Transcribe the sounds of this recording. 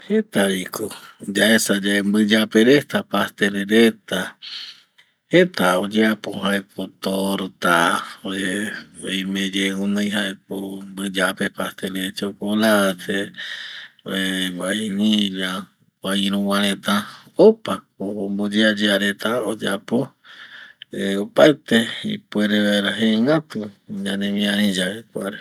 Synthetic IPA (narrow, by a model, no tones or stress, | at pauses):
het̪aɾikod͡ʒaesad͡ʒembɨd͡ʒapeɾet̪apast̪eɾeɾet̪a | het̪aod͡ʒeapohaekʰot̪oɾot̪aoe | jmẽd͡ʒeunãjɦaek̚ombɨd͡ʒapepast̪eɾet͡ʃokolatḛ | eβainiɾa | waiɾũwãɾ̃ẽt̪ãopakombod͡ʒead͡ʒeaɾet̪aod͡ʒapo | eopat̪eḭpueɾeβeɾaɦeŋat̪uɲãnẽmĩãɾĩd͡ʒaekʷaɾe